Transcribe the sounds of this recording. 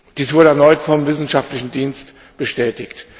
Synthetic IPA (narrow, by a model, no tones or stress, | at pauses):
d̥iːsv̥ʊɐɾəɛɐnɔʏtfɔmvɪsn̩ʃaftlɪçn̩diːnst | b̥əʃtɛːtɪçt